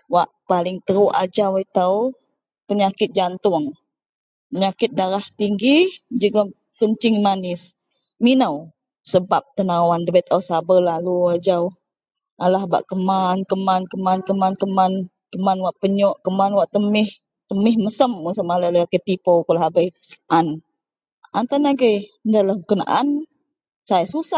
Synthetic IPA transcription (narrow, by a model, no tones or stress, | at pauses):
waʔpalɪŋt̪əɾuʔad͡ʒawət̪əw | pəɲakɪt̪̚d͡ʒant̪ʊŋ | pəɲakɪt̪̚daɾaht̪iŋɡid͡ʒuɡa | kəɲt͡ʃɪŋmanɪs | minəw | səbap̚t̪ənawandəbət̪awsabəlaluad͡ʒaw | alahba̰ʔkəmankəmankəmankəmankəman | kəmanwaʔpəɲɔʔkəmanwaʔt̪əmɪh | t̪əmɪhməsəməŋsəmalalalakət̪ːipokulaɦabəj | ʔan | ant̪anaɡəjndalahkəkəna̰ʔan | sajasusa